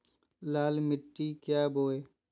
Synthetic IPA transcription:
laːlmɪʈːiːkjaːboːeː

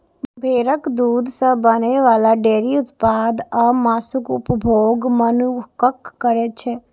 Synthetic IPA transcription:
bʱeːɾəkd̪uːd̪ʱsə̃bəneʋaːlaɖeːɾiʊt̪paːd̪əmaːsʊkʊpbʱoːɡmənukəkːəɾet͡ʃʰeː

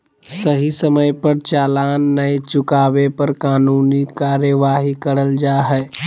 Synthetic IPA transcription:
səɦisəməjpəɾt͡ʃaːlaːnːət͡ʃʊkaːʋepɐɾkaːnuːnikaːɾjəʋaːɦikɐɾəld͡ʒaːɦɛː

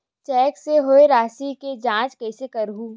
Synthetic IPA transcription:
t͡ʃɛːkseɦoːeɾaːsiked͡ʒãːt͡ʃkɛːsekɐɾɦuː

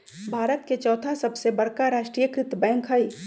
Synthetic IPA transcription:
bʱaːɾət̪ket͡ʃɔːt̪ʰasɐbsebɐɽkaɾaːʃʈɾiːjəkɾɪt̪əbɛ̃ːŋkʰɦəi

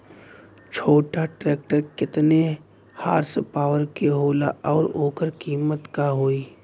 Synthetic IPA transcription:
t͡ʃʰoːʈaʈɾeːk̚ʈəɾkɪt̪ne | haːɾspaːʋəɾkeɦoːlaʔɔːɾoːkəɾkiːmət̪kaɦoːiː

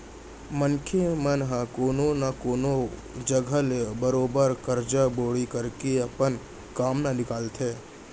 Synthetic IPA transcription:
mənkʰemənɦəkoːnonakoːno | d͡ʒəɡʱəlbəɾoːbəɾkəɾd͡ʒaboːɽikəɾkeɐpən | kaːmnanɪkaːlt̪ʰeː

